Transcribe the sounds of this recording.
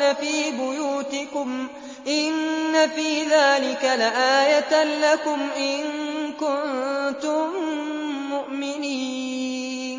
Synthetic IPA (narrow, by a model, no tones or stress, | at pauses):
afiːbʊjuːt̪ɪkʊm | ʔɪnːafiːðaːlɪkalaʔaːjat̪alakʊmʔɪnkʊnt̪ʊmː | ʊʔmɪniː | n